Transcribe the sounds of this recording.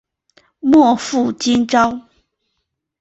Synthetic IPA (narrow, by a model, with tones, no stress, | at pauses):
mwɔ˥˧fu˥˨t͡ɕi˥nʈ͡ʂɑ˦ʊ